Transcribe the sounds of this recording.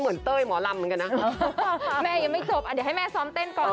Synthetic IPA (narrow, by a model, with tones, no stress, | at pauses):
mə˨˩nt̪əː˧jmɔ˨˦la˨˩mə˨˦kːna˨˧˨mɛ˧jə˨˦mə˧˦so˨˧˩ʔaː˨˩ɗe˨˩ha˧˦jmɛ˧sɔ˨˦mnt̪e˧nkɔ˧˦˧